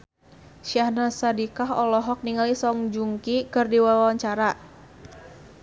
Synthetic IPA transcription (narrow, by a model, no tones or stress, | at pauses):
ʃahnasadikaɦɔlɔɦɔk̚niŋalisɔŋd͡ʒuŋkikɨrdiwawawaɲt͡ʃaɾa